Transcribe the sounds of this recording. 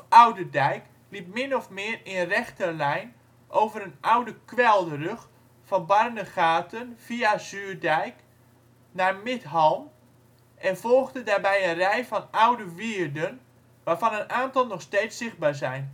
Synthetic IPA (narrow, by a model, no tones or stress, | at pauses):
awdədɛjk | lip̚mɪnɔfmɪːrɪnərɛxtərlɛjn | ʔowvəɾənʔawdəkʋɛlˠdərøx | fɔnbarnəχaːtʰənv̥iaz̥yːrdɛjk | narmɪtɦɔlˠm | ʔɛnvɔlˠɣdədaːrbɛjənrɛjfɔnawdəʋiːərdən | ʋaːrvɑnənʔaːntɑlˠnɔxsteːtsːɪxd̚baːɹzɛjn